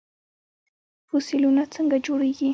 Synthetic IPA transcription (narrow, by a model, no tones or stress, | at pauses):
fʊsɪlʊnat͡saŋɡad͡ʒʊɾʊjkɪ